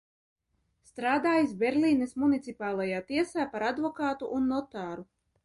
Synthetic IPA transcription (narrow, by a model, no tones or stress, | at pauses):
st̪ɾaːd̪aːjisbʲɛɾlʲiːnɛsmunit̪sipaːlˠajaːt̪iɛsaːpaɾad̪vɔkaːt̪uʔːnːɔt̪aːɾu